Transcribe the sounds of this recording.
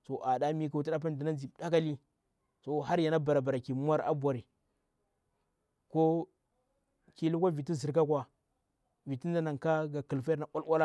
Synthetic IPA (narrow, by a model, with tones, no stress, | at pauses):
so˨ʔa˨da˦mi˦ka˨u˦i˦da˦p̬a˦n˦di˨na˦nd͡ʒi˨da˦ka˦li˦ | so˨ɦa˦ɾja˨na˦ba˨ɾa˨ba˨ɾa˨ki˨mu˦wa˦ɾa̰˦bʷa˨ɾi˨ | ko˦ | ki˨lu˦kʷa˦vi˨ti˦zi˨ɾka˦kʷa˨ | vi˨ti˦nda˦na˨ŋka˦ɡa˨kə˨lfa˦na˨ʔʷwa˦lwʷa˦la˦